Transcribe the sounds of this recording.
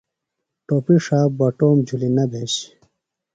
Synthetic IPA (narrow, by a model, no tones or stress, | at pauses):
ʈoːpiʂaːbɐʈoːmd͡ʑʱulinɐb̪ʱeɕ